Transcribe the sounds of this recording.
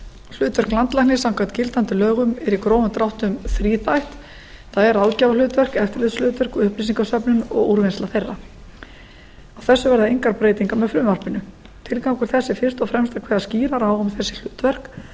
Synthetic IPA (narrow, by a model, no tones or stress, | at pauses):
l̥ʏːt̪vɛr̥klant̪lahnɪsawkʰvant̪cɪlt̪ant̪ɪlœːɣʏmɛɾikɾɔːwvʏt̪ɾawht̪ʏmθɾiːθajht̪ | θaðɛɾalcaːvalʏːt̪vɛr̥kɛft̪ɪɾlɪðslʏːt̪vɛrkɔʏhplisiŋkasœpnʏnɔ̰ɣuɾvɪnst̪laθejrːa | awθɛsːʏvɛɾðaejŋkaɾpɾeːjt̪iŋkamɛðflʏmvar̥pɪnʏ | t̪ʰɪlkawŋkʏɾ̥θɛsːɪfɪr̥st̪ɔfɾɛmst̪akʰvɛːðasciːɾaɾawʏmθɛsːɪ̥l̥ʏːt̪vɛr̥k